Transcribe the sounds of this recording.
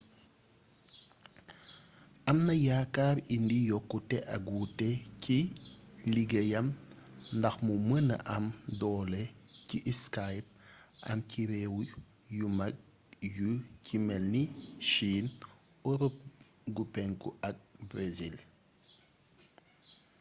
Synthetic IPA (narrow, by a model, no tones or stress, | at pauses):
ʔɐmnɐjaːkaːɾindijɔkːutɛʔɐɡutɛciliɡejɐmndɐxmumənɐ̰ʔɐmdɔːlɛciʔskajp̚ʔɐ̰mciɾɛːwu | jumɐk̚ | jucʰimɛlniʃiːn | ɔɾup̚ | ɡupɛŋkuɐk̚brezil